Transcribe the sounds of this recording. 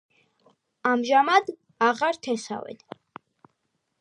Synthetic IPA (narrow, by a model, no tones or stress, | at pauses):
amʒamad̪ | aʁaɾt̪ʰɛsa̰vɛ̰d̪